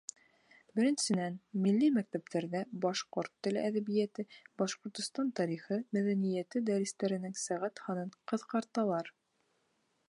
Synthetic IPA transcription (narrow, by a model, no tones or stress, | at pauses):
bɘ̆ɾɘ̆nsɘ̆nænmilːimæk̚t̪æpt̪æɾðæbɑʃqoɾt̪ːɘ̆læðæβijæt̪ɘbɑʃqŏɾt̪ŏst̪ɑnt̪ɑɾiχɤmæðænijæt̪ɘd̪ɑɾɘ̆st̪æɾɘ̆nɘŋsæʁæt̪hɑnɤɴqɤ̆ðqɑɾt̪ɑlˠɑɾ